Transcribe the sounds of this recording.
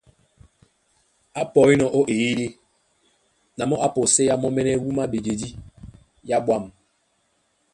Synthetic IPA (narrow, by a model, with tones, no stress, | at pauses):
a˦pɔ˨i˦nɔ˨ʔo˦ʔe˨i˦de˦ | na˨mɔ˦ʔa˦po˨se˦ja˦mɔ˦mɛ˦nɛ˦wu˦ma˦be˨d͡ʒe˨di˦ | ja˦ɓwa˦˨m